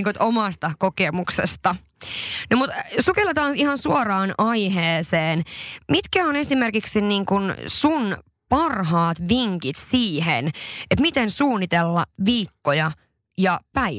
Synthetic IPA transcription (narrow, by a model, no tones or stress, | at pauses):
ŋkot̪omɑst̪ɑkokemuksḛst̪ɑ | nomut̪sukelːet̪ɑːnihɑnsuorɑːnɑjɦeːseːnmit̪kæone̞simerkiksinniːŋkunsun | pɑrɦɑːt̪ʋiŋkit̪siːhenʔet̪mit̪ensuːnːit̪elːɑʋiːkːojɑ | jɑpæi